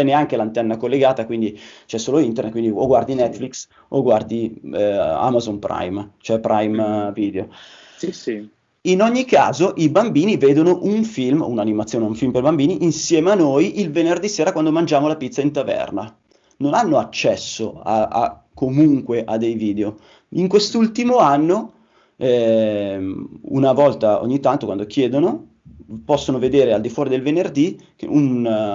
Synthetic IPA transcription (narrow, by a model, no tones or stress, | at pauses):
t͡ʃɛneaŋkelant̪ɛnːakolːeɡaːt̪akwind̪it͡ʃɛsːoːloint̪ernet̪kwind̪ioɡward̪inɛt̪ːfliks | oɡward̪i | a̰mazonpɾa̰jmt͡ʃoɛpɾʔajmviːd̪eo | inoɲːikːa̰ːzoʔibambiːniveːd̪onoʔunfilmunanimat̪sjoːneuɱfilmperbambiːniʔinsjɛːmeanːojʔilvenerd̪iseːɾakwand̪omand͡ʒaːmolapit̪sːaint̪avɛ̰rna | nonanːoat͡ʃːɛsːo̰a̰a̰ | kːomuŋkweʔad̪ːejviːd̪eo | iŋkwest̪ult̪imoanːo | ɛ | ṵnavɔlt̪ao̰ɲːit̪ːant̪okwa̰nd̪okjeːd̪ono | pɔsːonoved̪eːɾeald̪ifwɔːɾid̪elvenerd̪ikḛun